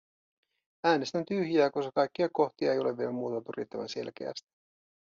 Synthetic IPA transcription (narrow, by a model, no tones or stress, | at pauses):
æːnest̪ænt̪yhjæːkosɑkɑjkːiɑko̞ht̪iɑ̰e̞jo̞le̞ʋʋielæmːuːt̪ɑpyrjḭt̪ːæʋæ̰nse̞̰lk̟e̞̰æ̰st̪i̥